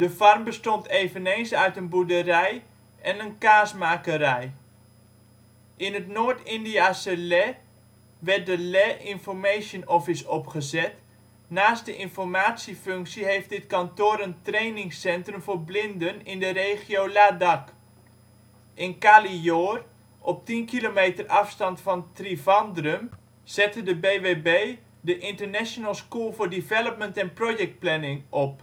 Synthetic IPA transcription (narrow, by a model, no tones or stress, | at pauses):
d̥əfɑrmbəstɔntʰeːvənejnsœɥtənbudərɛj | ɛnənkaːsmaːkəɾɛj | ʔɪnətnoːɹtɪndiaːsəlɛ | ʋɛrt̚dəlɛʔɪnfɔɹmejʃənɔfɪsɔpχəzɛt | naːstdəʔɪnfɔrmaːtsifɵŋksiɦejft̚dɪtkɑntoːɾəntrejnɪŋsɛntrəmvʊːɹblɪndənɪndəreːχiowladɑk | ʔɪnkaːlijoːr | ʔɔp̚tinkilomeːtərɑfstɑntfɑntrivɑndrəm | z̥ɛtədəbeːʋebej | dəʔɪntərnɛʃonəlˠskulˠvʊːɹdivɛləp̚məntɛnprojɛk̚t̚plɛnɪŋɔp̚